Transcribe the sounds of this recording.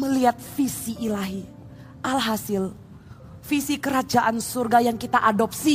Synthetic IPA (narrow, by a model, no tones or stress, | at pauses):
məliat̪̚fisiʔːlaɦi | ʔalɦasɪl | fisikəɾad͡ʒaʔansurɡajaŋkit̪aʔadɔp̚si